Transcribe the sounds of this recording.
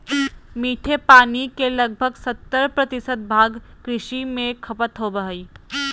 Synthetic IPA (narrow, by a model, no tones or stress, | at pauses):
miːʈʰepaːnikelɐɡ̚bʱəɡsɐt̪ːəɾpɾɐt̪ɪsət̪̚bʱaːɡkɾɪʃimẽkʰɐpət̪ɦobɐɦiː